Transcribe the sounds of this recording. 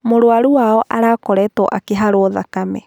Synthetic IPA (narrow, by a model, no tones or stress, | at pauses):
moɾwaɾuaɔʔaɾaːkɔɾɛtɔʔakeɦaɾoɔðakamɛ